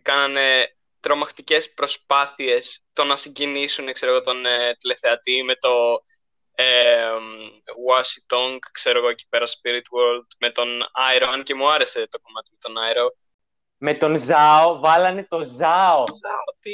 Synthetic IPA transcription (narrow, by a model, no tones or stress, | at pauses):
kɐnɐne̞ | t̪ɾo̞mɐxt̪ice̞spɾo̞spɐθie̞st̪o̞nɐsiɲɟinisunekse̞ɾo̞ɣo̞t̪o̞net̪ile̞θe̞ɐt̪ime̞t̪o̞ | emwɐsit̪oŋɡkse̞ɾo̞ɣo̞eci̥pe̞ɾɐspiɾit̪woɾld̪me̞t̪o̞nɐiɾomɐnce̞muɐɾe̞se̞t̪o̞ko̞mɐt̪imet̪o̞nɐiɾo | met̪o̞nzɐovɐlɐnet̪o̞zɐozɐot̪i